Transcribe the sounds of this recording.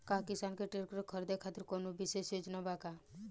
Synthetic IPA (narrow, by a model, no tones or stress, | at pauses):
kakisankeʈeɾkɾɔkʰɔɾd̪ekʰat̪iɾkonobisesed͡ʒnɔbaka